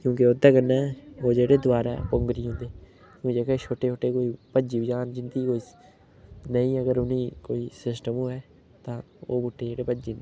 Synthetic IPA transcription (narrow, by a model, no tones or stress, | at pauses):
kjõːkɪoːd̪aːkənːɛːoːd͡ʒeːɽeːd̪ʊaːɾapʊŋɡɾiːɦʊ̃ːnd̪eː | kjõːd͡ʒeːket͡ʃʰoːʈeːt͡ʃʰoːʈeːkoːiːpəd͡ʒiːbd͡ʒaːnd͡ʒɪnd̪iːkoːiː | nəĩːəɡəɾʊnĩːkoːiːsɪsʈəmuːɦɛː | t̪ãː | o̰ːbʊʈːeːd͡ʒeːɽeːpəd͡ʒiːndeː